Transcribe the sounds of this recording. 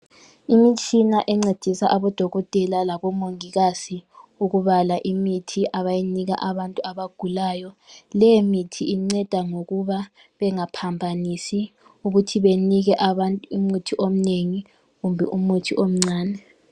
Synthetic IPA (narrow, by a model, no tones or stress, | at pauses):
imit͡ʃʼinaʔɛŋ͡ǀed̥ʱisa̰ʔaβɔd̥ʱɔɣɔtʼɛlalaβɔmoŋiɣasiuɣuβalaʔimitʰiʔaβajiniɣa̰ʔaβantʼuaβaɡ̥ʱulaːjɔlɛjemitʰiiŋ͡ǀɛd̥ʱaŋoɣuβa | βɛŋapʰambʱanisi | uɣutʰiβeniɣɛʔaβantʼumutʰiʔom̩neŋi | ɣumbʱɛ̰ʔumutʰiʔom̩ŋ͡ǀaːnɛ